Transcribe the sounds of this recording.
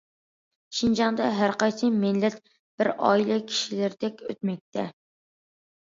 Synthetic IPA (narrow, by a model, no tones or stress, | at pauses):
ʃind͡ʒɑŋd̪ɑɦæɾqɑjsɨmɪnlːɛt̪ | b̥ɪɾɑ̰ilˠɨkʲʰi̥ʃilɪɾd̪̥ɛkʲø̰t̪mɛk̚ʲt̪ʰɛ